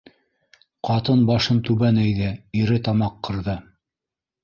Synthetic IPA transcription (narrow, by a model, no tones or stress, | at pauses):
qɑt̪ɤnbɑʃɤnt̪ʉβænæjðɘiɾɘt̪ɑmɑqːɤ̆ɾðɤ